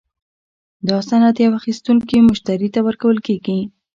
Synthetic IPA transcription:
d̪əɑsanat̪jawaxist̪uŋkimʊʃt̪aɾit̪awəɾkawəlkeɡi

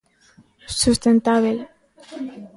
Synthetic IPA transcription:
sust̪ent̪aβel

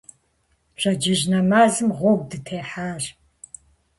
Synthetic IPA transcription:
ɕʷɐd͡ʒɪʑnɐmaːzɨmʁʷɔɡ̚ʷdɨtʰeːħaːr

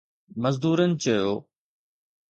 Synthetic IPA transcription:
mɐzd̪uːɾənɪ̆t͡ɕɐjoː

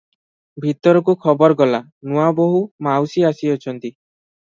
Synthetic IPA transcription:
bʱit̪ɔɾɔkukʰɔbɔɾɔɡɔla | nuaboɦumawsiasiɔt͡ʃʰɔnt̪i

